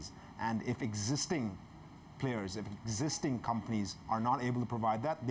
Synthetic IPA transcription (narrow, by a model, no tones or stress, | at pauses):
z | ʔæ̃nɖɪfɨɡzɪstɪ̃ŋ | pʰl̥eɪəɹzɨfɡzɪstɪ̃ŋkʰʌ̃mpənizəɹnɑɾeɪbəl̩ˠtəpʰɹəvaɪd̪̚ðæt̪̚d̪